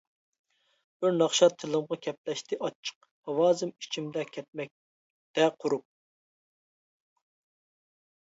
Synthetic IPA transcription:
b̥ɪɾnɑχʃɑt̪ʰːɪlˠɨmʁɑkʲʰɛplɛʃt̪ɪʔɑt͡ʃʰːə̥q̚ | hɑwɑːzɨmi̥t͡ʃʰimd̪ɛkʲʰɛt̪̚mɛk̚ʲ | t̪ɛqʰʊɾup̚

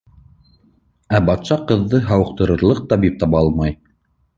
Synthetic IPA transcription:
æbɑt̪sɑqɤ̆ðːɤɦɑwɤ̆q̚t̪ɤ̆ɾɤ̆ɾlˠɤq̚t̪ɑbip̚t̪ɑβɑɑlˠmɑj

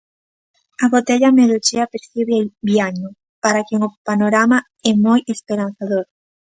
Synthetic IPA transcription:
aɣot̪eʎameðot͡ʃeapeɾθiβeabiaɲo | paɾakeŋopanoɾama | ɛmojespeɾan̟θaðoɾ

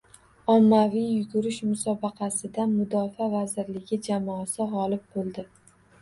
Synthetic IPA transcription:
ɒmːavijjʊɡʊɾɪʃmʊsɒbɑqʰɑsɪd̪amʊd̪ɒfavazɪɾlɪɡʲɪd͡ʒamɒːsɪʁɒlɪp̚bolˠd̪ɪ

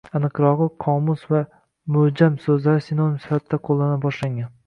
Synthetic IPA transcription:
anɨqɾɒʁɨqʰɒmʊsva | mʊhd͡ʒamsɵzlaɾɪsɪnonmsɪ̥fat̪ʰːaqʰolˠːanabɒʃlaŋɡʲan

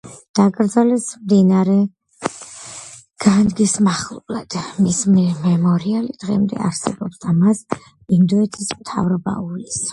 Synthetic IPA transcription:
d̪̥aɡʼɾd̪zalɛsmd̪inaɾɛ | ɡ̥anɡismaχlˠulad̪̥mismimɛmɔɾialid̪̥ʁɛ̰md̪ɛ̰aɾsɛbɔbd̪amas | ind̪ɔɛt̪ʰismt̪ʰa̰vɾɔba̰ulis

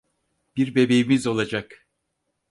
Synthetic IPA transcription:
b̥iɾbe̞be̞jimizo̞lˠad͡ʒak

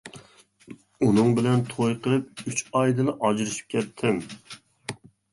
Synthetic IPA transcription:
unɨŋbɪlɛnt̪ʰojqʰəɾɨp̚yt͡ʃɑjd̪ɨlˠɨʔɑd͡ʒɾɨʃi̥p̚kʲʰɛt̪ʰːɪm

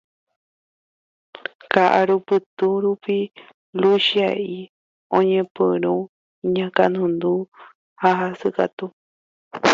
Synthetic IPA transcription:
kaʔaɾupɨt̪uɾupi | luʃiaʔi | õɲẽpɨɾ̃ũ | ɲãkanũnd̪u | haɦasɨkat̪u

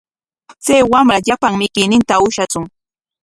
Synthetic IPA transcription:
t͡sajwamɾaʎapaŋmɪkɪjnɪnt̪aʊʃat͡sʊŋ

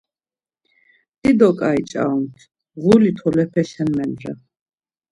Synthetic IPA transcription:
d̪ʼid̪ɔkʼait͡ʃʼa̰ɔnt̪ʰ | ʁulit̪ʰɔlɛpʰɛʃɛnmɛnd̪ɾa̰

